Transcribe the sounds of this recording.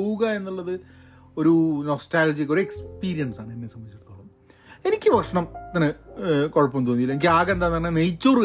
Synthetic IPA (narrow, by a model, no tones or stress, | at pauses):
wuɣɐe̞nːuɭːɐðɨ | o̞ɾunosʈaːld͡ʑikːo̞ɾuekspiːɾijɐnsaːɳɨinːesɐmːɐit͡ɕːiʈt̪ːoːɭɐnː | e̞nikʲːɨʋɐʂɳɐmt̪ɐnːɨkoɻɐpːomt̪oːnːilːɐenikʲːaːɣend̪aːnɐnːenejt͡ɕːur